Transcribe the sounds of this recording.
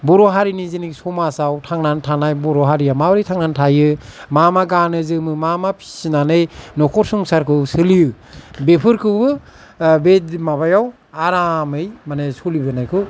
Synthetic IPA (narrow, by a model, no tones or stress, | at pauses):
bɔɾɔɦaɾiniziniksɔmasawtʰaŋnantʰanajbɔɾɔɦaɾijamawɾitʰaŋnantʰajɯmamaɡanɯzɯmɯmamapʰi̥sinanɯjnɔkʰɔɾsuŋsaɾkʰɯsɯliɯ | bepʰɯɾkʰɯbɯ | betmaβajaw | aɾamɯjmanesɔlibɯnajkʰɯ